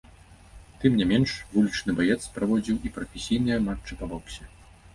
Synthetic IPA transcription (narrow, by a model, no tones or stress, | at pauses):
t̪ɨmnʲɛmʲɛnʂvulʲit͡ʂnɨbajɛt̪spɾavɔd͡zʲiwipɾɐfʲesʲijnɨjɐmat͡ʂːɨpavɔksʲɛ